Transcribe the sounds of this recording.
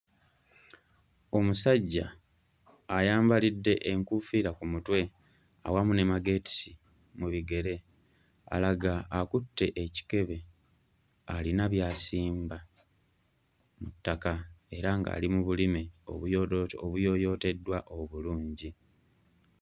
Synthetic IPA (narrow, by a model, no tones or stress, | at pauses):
o̞musaɟːaː | jaːmbalidːe̞ʔeŋkufiːɾakumutwe̞ | a̰wamune̞maɡe̞ti̥si | muβiɡe̞ɾe̞ | a̰laɡaːkutːe̞ʔeci̥ke̞βe̞ | alinaβjaːsiːmba | mutːakae̞ɾaŋɡa̰ːlimuβulimeo̞̰βujooβujo̞ːjo̞ːte̞dːwaʔo̞βuluːɲɟi